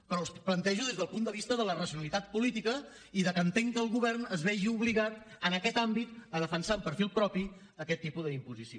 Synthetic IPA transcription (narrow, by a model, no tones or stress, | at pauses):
pəɾɔsplənt̪ɛʒuðezðəlˠpund̪əβ̞ist̪əðələrəsiunəlit̪at̪̚pulit̪ikə | iðəkənt̪eŋkəːlˠɣuβɛrnəzβɛʒiuβliɣat̪ənəkɛt̪ambit̪əðəfənsaumpəɾfilˠpɾɔpi | əkɛt̪ːipuðəimpuzisio